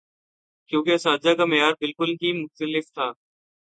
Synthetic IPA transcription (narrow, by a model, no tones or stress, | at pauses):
kjũːkesaːd͡ʒaːkaːmeːjaːɾbɪlkʊlɦiːmʊxt̪əlɪft̪ʰaː